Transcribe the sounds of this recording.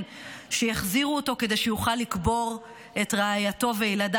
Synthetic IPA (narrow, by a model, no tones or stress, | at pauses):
n | ʃejaχziʁuoto̞ke̞de̞jʃejuχalːikbo̞ʁ | etʁeajato̞veelada